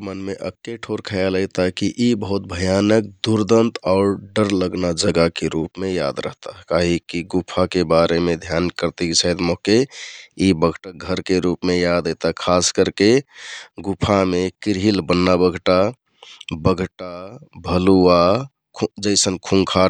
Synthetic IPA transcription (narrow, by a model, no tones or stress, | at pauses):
mənmeʔə̰kːeʈʰoɾkʰəjaləjt̪akiʔibəɦut̪̚bʱəjanək̚d̪uɾd̪ənt̪ɔʊɾɖəɾləɡnad͡ʒəɡakeɾupmeja̰d̪ɾə̰ɦt̪aɦkaɦikiɡupʰakebaɾemed̪ʱjankəɾt̪ikt͡ʃʰəɦd̪moɦkeibəɡʱʈəɡʱəɾkeɾupmejad̪əjt̪akʰaskəɾke | ɡupʰamekiɾɦilbənːabəɡʱʈa | bəɡʱʈabʱəlua | kʰd͡ʒəɪsənkʰũŋkʰa